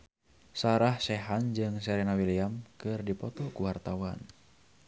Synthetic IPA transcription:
saɾahsɛɦand͡ʒɨŋs̬ɛɾɛnawiliamkɨrdipɔt̪ɔkuwart̪awan

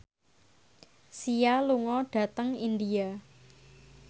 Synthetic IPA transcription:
sijaluŋɔɖ̥ä̤t̪əŋind̪ia

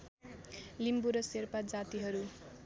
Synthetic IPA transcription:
limbuɾʌserpad͡zat̪iɦʌɾu

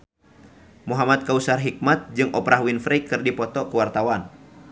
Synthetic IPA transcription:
muɦamat̪̚kausarɦik̚mat̪̚d͡ʒɨŋʔɔpɾʔaɦwinfɾɛkɨrdipɔt̪ɔkəwart̪awan

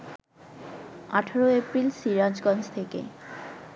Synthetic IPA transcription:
a̰ʈʰaɾoepɾilʃiɾad͡ʑɡɔnd͡ʑt̪ʰekḛ

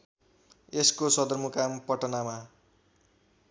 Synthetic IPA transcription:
eskosʌd̪ʌrmukampʌʈʌnama

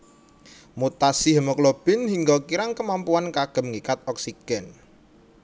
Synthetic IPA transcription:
mut̪asiɦəməklob̥ɪ̤nhiŋɡakiɾaŋkəmampuankaɡ̥ə̤mŋikat̪̚ɔksiɡ̥ɛn

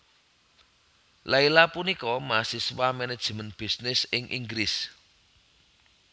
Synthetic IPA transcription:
lailapunikɔmasiswamɛned̥ʒ̥əmənb̥i̤snɪsɪŋʔḭŋɡɾɪs

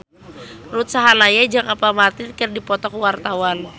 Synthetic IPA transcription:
rut̪̚saɦalajad͡ʒaŋʔapamart̪ɪrkərdipɔt̪ɔkwart̪awan

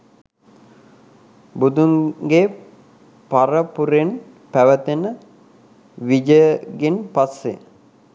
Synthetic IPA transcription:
bud̪uŋɡe | paɾəpuɾen | pæʋət̪enə | ʋid͡ʒəɡenpasːḛ

